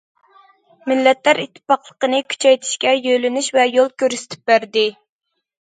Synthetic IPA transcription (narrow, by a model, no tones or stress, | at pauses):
mɪlːɛt̪læɾit̪ʰːɪ̥pːɑqlˠəqənɨkʲʰy̥t͡ʃʰɛjt̪ʰi̥ʃkʲɛjølɪnyʃvɛjolˠkʲøɾsɪ̥t̪ʰɪ̥p̚bæɾd̪ɪ